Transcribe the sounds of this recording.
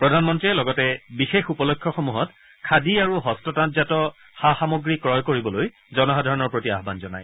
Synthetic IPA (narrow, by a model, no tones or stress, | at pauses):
pɹɔdʱanmɔntɹiɛlɔɡɔtɛbixexupɔlokʰːjɔxomuɦɔt | kʰadiaɹuɦɔstɔtatzatɔ | xaxamoɡɹikɹɔjkoɹibɔloj | zɔnɔxadʱaɹɔnɔɹpɹotia̰ɦbanzɔna̰j